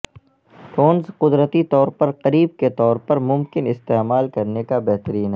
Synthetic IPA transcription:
ʈʰoːnzqʊd̪ɾət̪it̪ɔːɾpɐɾqɐɾiːb̚ket̪ɔːɾpɐɾmʊmkɪnɪst̪eːmaːlkɐɾnekabeɦt̪əɾiːnɦɛ

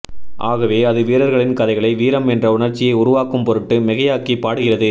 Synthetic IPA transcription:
ʔaːɣɐʋeːɐðɯʋiːɾɐɾɣɐɭɪnkɐðɐɪɣɐɭɐɪʋiːɾɐmɛndrɐʊɳɐɾt͡ʃːɪjɐɪʊɾʊʋaːkɯmpɔɾɯʈːɯmɛɣɐjaːkipːaːɽɯɣɪrɐðɯ

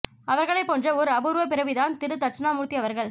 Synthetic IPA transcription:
ɐʋɐɾɣɐɭɐɪpːoːndrɐɔɾɯɐbuːɾʋɐpɪɾɐʋɪðaːnt̪ɪɾɯt̪ːɐt͡ʃːɐnaːmuːt̪ːiɐʋɐɾɣɐɭ

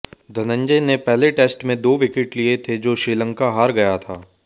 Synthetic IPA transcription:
d̪ʱɐnə̃ɲd͡ʒəjnepɛɦleʈɛːsʈmẽd̪oːʋɪkɪʈliet̪ʰed͡ʒoːʃɾiːlə̃ŋkaɦaːɾɡɐjat̪ʰaː

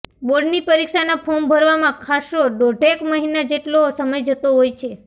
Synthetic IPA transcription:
boɖnipəɾikʃanapʰombʱəɾʋamãkʰaʃoɖoɖekməɦinad͡ʒeʈlosəməjd͡ʒət̪oɦojt͡ʃʰe

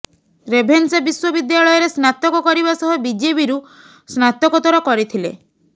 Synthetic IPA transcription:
ɾebʱensebiswɔbid̪jaɭɔjɔɾesnat̪ɔkɔkɔɾibasɔɦɔbid͡ʒebiɾu | snat̪ɔkɔt̪ɔɾɔkɔɾit̪ʰilḛ

